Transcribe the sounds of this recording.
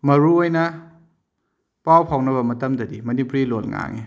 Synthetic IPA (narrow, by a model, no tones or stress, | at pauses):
mɐɾuojnɐ | pawpʰawnɐβɐmɐtɐmdɐdimɐnipɾilot̚ŋa̰ŋe